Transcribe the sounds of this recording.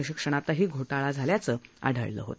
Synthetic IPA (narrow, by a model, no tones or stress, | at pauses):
əɕikʂəɽ̃at̪aɦiːɡʱoʈaɭad͡zʱaljat͡səːa̰ɖʱə̰ɭlə̰ɦo̰t̪